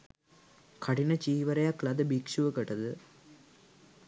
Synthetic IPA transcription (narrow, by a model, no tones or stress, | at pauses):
kʰɐɽinɐt͡ʃiːʋɐɾɐjaːklɐd̪ɐbikʂuʋɐkɐʈːɐðɯ